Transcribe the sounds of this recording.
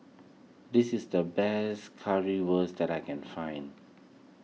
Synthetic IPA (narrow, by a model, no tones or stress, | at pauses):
dɪsɪsdəbɛskʰaɹiwəsdɛtajkɛ̃nfãɪ̃nd